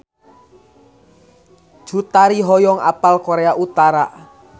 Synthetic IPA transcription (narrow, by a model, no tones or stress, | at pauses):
ʒ̥ṳt̪aɾiɦɔjɔŋa̰palkoɾeaʔut̪aɾa̰